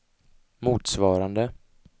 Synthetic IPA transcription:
muːt̪svɑːɾand̪ə

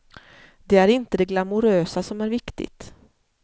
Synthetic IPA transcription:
d̪ɛæɾɪnt̪əd̪ɛɡlamʊɾøːsasɔmæɾvɪkt̪ɪ̰t̪

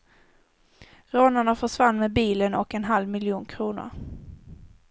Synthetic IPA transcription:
ɾoːnaɳafœʂvanːmeːbiːlənɔ̰kɛnɦalvmɪljuːnkʰɾuːnʊ̰ɾ

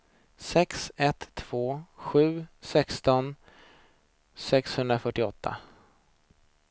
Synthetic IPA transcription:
sɛksɛt̪ʰːv̥oːɧʉ̟ːsɛkst̪ɔn | sɛkshɵnd̪ɾafœʈːɪɔt̪ʰːa̰

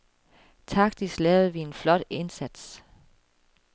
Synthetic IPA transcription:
t͡sʰɑ̈ɡ̥d̥islɛːʊð̩ˠʋie̝nflɒ̽d̥e̝nsæd̥s

